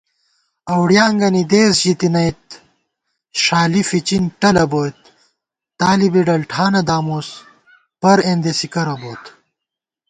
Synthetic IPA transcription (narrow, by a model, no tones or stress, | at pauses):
ɐwɖjaːŋɡɐnid̪eːsʑit̪inɐjt̪ | ɕaːlifit͡ɕinʈɐlɐboːt̪̚ː | aːlibiɖɐlʈʰaːnɐd̪aːmoːs | pɐɾeːnd̪esikɐɾɐboːt̪